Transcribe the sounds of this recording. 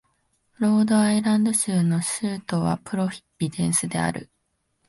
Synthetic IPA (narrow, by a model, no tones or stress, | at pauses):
ɾo̞ːd̪o̞aiɾãnd̪o̞ɕɨːno̞ɕɨːt̪o̞βa̰pɯ̟ɾo̞ɸʲi̥pʲːid̪ẽ̞ɰ̃sɨd̪e̞a̰ɾɯ̟̰